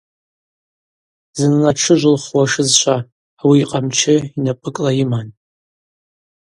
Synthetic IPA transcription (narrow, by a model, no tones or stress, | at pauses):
zɨnlaʈ͡ʂʰɨʒʷʊlχwaʂɨzʃʷʰaː | wiːqʼamt͡ʃʰɪinapʼɨkʼlajiman